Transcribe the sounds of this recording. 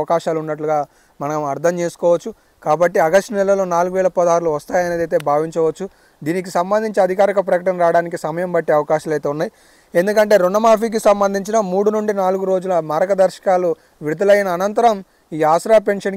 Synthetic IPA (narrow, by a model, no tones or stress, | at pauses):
ɐkaːʃaːlunːɐʈluɡaː | mɐnɐɐmɐɾt̪ʰɐmt͡ʃe̞ːsu̥kɔːʋɐt͡ʃːu | kaːbɐʈːiɐɡɐsʈnɛlɐloːnaːluɡuʋɛːɭɐpɐd̪aːɾuluʋɐst̪aːjɐneːd̪ɐjt̪̬e̞ːbʱaːʋiɲt͡ʃɐʋɐt͡ʃːu | d̪iːnik̬isɐmbɐnd̪iɲt͡ʃiɐd̪ʱikaːɾikɐp̬ɾɐkɐʈɐnɐɾaːɽaːnik̬isɐmɐjɐmbɐʈːeɐʋɐkaːʃaːlɐjt̪eːunːaːji | e̞nd̪ukɐɳʈe̞ːɾunːɐmaːp̬iːk̬isɐmbɐnd̪ʱiɲt͡ʃinɐmuːɽunuɳɖinaːluɡuɾo̞ːd͡ʒulɐmaːɾɐɡɐd̪ɐɾʃɐ̥kaːlu | ʋiɾud̪ʱɐlɐjɐnɐːnɐnt̪ɐɾɐm | iːaːʃɾaːpe̞nʂɐn